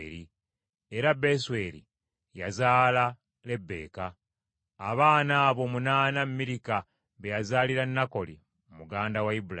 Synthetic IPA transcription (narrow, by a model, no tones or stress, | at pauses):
ɾi | e̞ɾabeswe̞ɾḭ | jazaːla | le̞bːe̞̰ːkaː | βaːnaːβo̞munaːnamːiɾika | βejazaːliɾanːako̞lḭ | mumuɡaːndawaibua